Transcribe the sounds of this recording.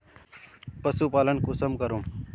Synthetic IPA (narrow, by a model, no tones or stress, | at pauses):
pɐsuːpaːlənkusɐmkɐɾum